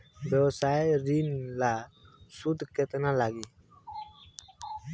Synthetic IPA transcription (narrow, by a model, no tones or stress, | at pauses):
ɾɔsajɾinlasud̪ʱkɛt̪nalaɡi